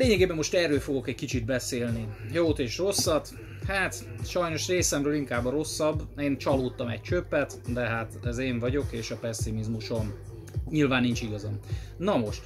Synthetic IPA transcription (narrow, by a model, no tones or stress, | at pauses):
leːɲɛɡeːbɛmːoʃt̪ɛːɾøːlfo̞ɡo̞kɛckit͡ʃid̪̚bɛseːlnijoːt̪eːʃro̞sːɒt̪ | haːt̪ | ʃɒjno̞ʃreːsɛmɾøːliŋkaːbːɒɾo̞sːɒbːeːnt͡ʃɒloːt̪ːɒmɛ̰c̚t͡ʃøpːɛt̪d̪ɛɦat̪ɛzeːɱvɒɟo̞keːʃɒpɛsːimizmuʃo̞m | ɲilvaːnːint͡ʃiɡɒzɒmnɒmo̞ʃt̪